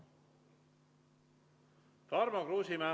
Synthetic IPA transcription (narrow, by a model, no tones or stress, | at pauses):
fɑɾmɑkruːsimæː